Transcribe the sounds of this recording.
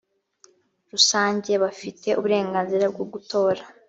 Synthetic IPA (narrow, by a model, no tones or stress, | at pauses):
ɾusaːɲɟe̞βafitʰe̞ʔuβuɾe̞ːŋɡaːnziɾabɡub̚ɡutʰo̞ːɾa